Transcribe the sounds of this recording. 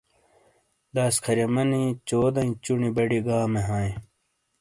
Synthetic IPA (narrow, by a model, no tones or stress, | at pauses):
d̪aːskʰɐɾemɐnĩt͡ɕoːd̪ɐ̃ĩt͡ɕunibɐɽiɡaːmeɦaːẽ